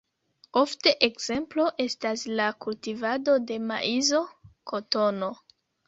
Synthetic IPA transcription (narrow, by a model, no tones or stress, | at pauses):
o̞fte̞ʔekz̥e̞mplo̞ʔe̞staslakultivado̞de̞ma̰ʔizo̞kʰo̞to̞no̞